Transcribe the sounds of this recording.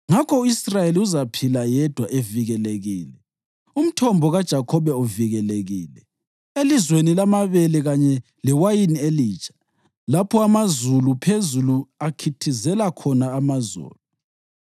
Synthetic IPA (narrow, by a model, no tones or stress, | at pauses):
ŋakʰɔuisrajeliuzapʰilajɛd̥ʱwaʔeviɣɛleɣḭːlɛ | um̩tʰɔmbʱɔɣad̥ʒ̥ʱakʰɔβɛɔviɣɛleɣiːlɛ | elizwenilamaβɛlɛɣaɲɛ | lɛwajinieliːt͡ʃʼḁ | lapʰɔamazulupʰezuluakʰitʰizɛlakʰɔnaːmazṵːlu